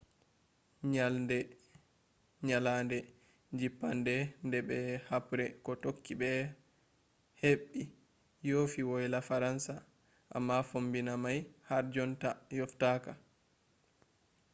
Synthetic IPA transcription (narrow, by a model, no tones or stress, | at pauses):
ɲalndɛ | ɲalandɛ | d͡ʒipːandɛndɛbɛhapɾɛkɔtokːibɛ | heɓːi | jofiwɔjlafaɾansa | ʔa̰mːafombinamajhaɾd͡ʒɔntajɔftaːka